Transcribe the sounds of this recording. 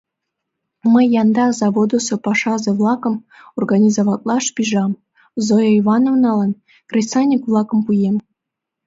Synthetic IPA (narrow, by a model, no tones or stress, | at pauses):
məjːɑnd̪ɑzɑβod̪osopɑʃɑzĕvlˠɑkə̆m | orɡɑnʲizoβɑt̪̚lˠɑʃpʲiʒɑm | zojoivɑnovnɑlɑn | krʲest͡sɑnʲikvlˠɑkə̆mpujem